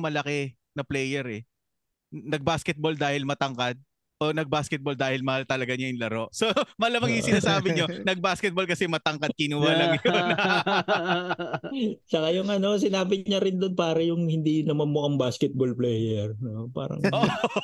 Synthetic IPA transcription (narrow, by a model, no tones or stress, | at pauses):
mɐlɐkɛ | nɐplɛːjɛɾɛ | nɐɡ̚baːskɛt̪̚bold̪aːhɪlmɐt̪ɐŋkad̪̚ | ʔo̞nɐɡ̚baːskɛt̪̚bo̞ld̪aːhɪlmɐhalt̪ɐlɐɡaɲɐjʊŋlɐɾo̞ʔsomɐʔɐlɐmɐŋjʊŋsɪnaːsaːbɪɲo̞nɐɡ̚baːskɛt̪̚bo̞lkɐsɛmɐt̪ɐŋkɐd̪̚kɪnuːhɐlɐŋjon | t͡ʃɐkajʊŋɐno̞s̬ɪnaːbɪɲɐɾɪnd̪onpaːɾɐjʊŋhɪnd̪inɐmɐnmoʔɐŋbaːskɛt̪̚bolplɛːjɛɹnopa̰ːɾɐ̰ŋʔo